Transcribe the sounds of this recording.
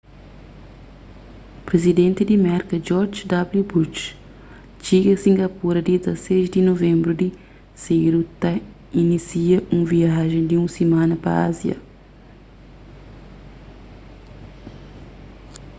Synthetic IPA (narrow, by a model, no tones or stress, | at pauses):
pɾezid̪ẽnt̪id̪imɛɾkɐd͡ʒɔɾd͡ʒd̪abljubuʃ | t͡ʃiɡɐsĩŋɡɐpuɾɐd̪izɐseʃd̪inovẽmbɾud̪i | seɾut̪ɐ | inisiɐʔũviaʒẽd̪iũsimãnɐpɐ̰azjɐ̰